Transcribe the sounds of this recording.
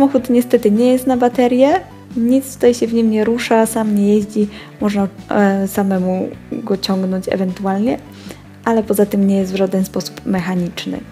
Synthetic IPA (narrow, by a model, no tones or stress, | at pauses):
samɔxut̪ɲɛst̪ɛt̪ɘɲɛjɛst̪nabat̪ɛɾjɛ | ɲit̪st̪u̥t̪ajɕɛvɲimɲɛɾuʂasamɲɛjɛʑd͡ʑi | mɔʐnasamɛmuɡɔt͡ɕɔŋɡnɔɲt͡ɕɛ̰vɛnt̪ualɲɛ | ʔalɛpɔzat̪ɘmɲɛjɛst̪vʐad̪ɛnspɔsu̥pmɛxaɲit͡ʂnɘ̰